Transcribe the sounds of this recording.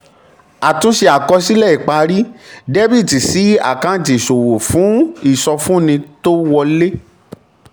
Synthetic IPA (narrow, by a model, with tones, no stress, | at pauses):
a˨tũ˧˦ʃe˧a˨kɔ˧si˦lɛ˦˨i˨k͡pa˧ɾi˦de˦bi˦˨ti˨si˨˦a̰˨kã˦˨t̬i˨so˨wo˨fũ˨˦i˦˨sɔ˧fũ˦nĩ˧to˦wɔ˧le˦